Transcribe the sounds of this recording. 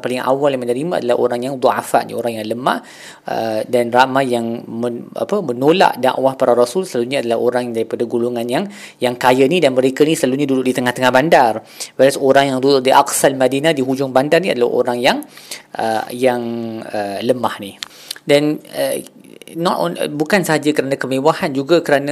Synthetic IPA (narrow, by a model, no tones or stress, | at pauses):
palɪŋa̰walnamənəɾimaa̰dalaho̰ɾaŋjaŋd̪ˤɔʕa̰faʔnḭo̰ɾaŋjaŋləma̰h | ə̰danramajaŋməa̰pəmənola̰ʔda̰ʔwahpaɾaɾasʊlsəlaluɲaadalaɦoɾaŋdaɾipadaɡuluŋanjaŋ | jaŋkajanidanməɾekanisəlaluɲadudʊʔdit̪əŋaht̪əŋahbandar | wɛɾasoɾaŋjaŋdudʊʔ̚diʔaksalmadinadiɦud͡ʒʊŋbandarnia̰dala̰ho̰ɾaŋjaŋʔəjaŋələmahni | danə | nɔtɔ̰n̰bukansəɦad͡ʒakəɾanãkəmewahand͡ʒuɡakəɾana